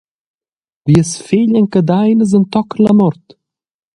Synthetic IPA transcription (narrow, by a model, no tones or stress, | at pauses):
viəsfelʲənʲkəd̪ajnəzənt̪ɔklamɔɾt̪